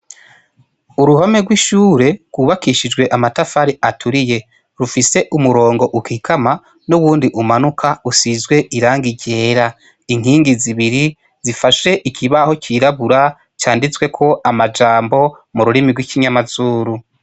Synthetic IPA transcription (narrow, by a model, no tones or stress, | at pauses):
uɾuhome̞ɡwiʃuːɾe̞ɡwuːβakiʃid͡ʒɡwe̞ʔamatafaɾiʔatuɾije̞ | ɾufise̞ʔumuɾo̞ːŋɡo̞ʔukikʰama | nuβuːndiʔumanukʰausizɡwe̞ʔiɾaːŋɡiɟe̞ːɾa | iŋ̥hiːŋɡiziβiɾi | z̥ifaʃe̞ʔikʰiβaho̞cʰiɾaβuɾa | t͡ʃaːndit͡swe̞kʰo̞ʔamad͡ʒaːmbo̞ | muɾuɾimiɡwikiɲamazuːɾu